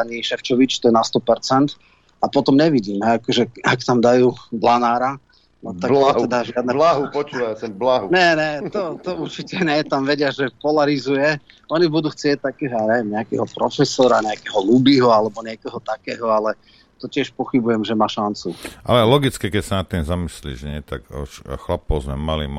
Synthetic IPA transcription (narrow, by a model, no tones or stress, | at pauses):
aɲiːʃɛft͡ʃɔʋit͡ʃt̪ɔjɛnast̪ɔpɛɾt͡sɛnt̪ | apɔt̪ɔmɲɛʋiɟiːmɦɛakʒɛakt̪amd̪ajuːblanaːɾa | nɔt̪aɡaɛd̪aʒɪad̪nɛlaɦupɔt͡ʃuːʋajsɛblaɦuɲɛɲɛt̪ɔt̪ɔuɾt͡ʃicɛɲɛt̪amʋɛɟɪaʒɛpɔlaɾizujɛ | ɔɲibud̪uːxt͡sɪɛc̚t̪akɛːɦɔaɲɛʋɛmɲɛakɛɦɔpɾɔfɛsɔɾaɲɛakɛɦɔlubiːɦɔalɛbɔɲɪɛkɔɦɔt̪akɛːɦɔalɛ | t̪ɔcɪɛʃpɔxibujɛmʒɛmaːʃant͡suʔa̰lɛlɔɡit͡skikɛcsanat̪ːimzamislḭːʒɲɛt̪a̰kɔ̰ʃxlapɔʊzmɛ̰malḭm